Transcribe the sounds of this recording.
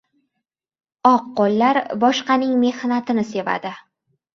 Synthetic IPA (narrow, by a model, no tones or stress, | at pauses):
ɒqːolːaɾbɒʃqɑnɪŋme̞hnat̪ʰɪnɪse̞va̰d̪ɪ